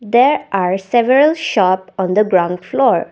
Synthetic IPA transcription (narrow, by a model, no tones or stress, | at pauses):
d̪eɾʔaːɾsɛʋəɾəlʃɔːpɔ̃nd̪əɡɾãʊ̃ɳɖflɔːɾ